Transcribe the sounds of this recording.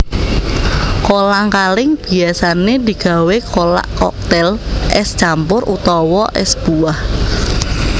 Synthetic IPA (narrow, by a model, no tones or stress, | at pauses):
kolaŋkalɪŋb̥i̤asaned̪i̤ɡ̥a̤wekola̰ʔkɔ̰k̚t̪ɛlʔɛ̰st͡ʃampʊrʔṵt̪ɔwɔʔɛ̰sb̥uah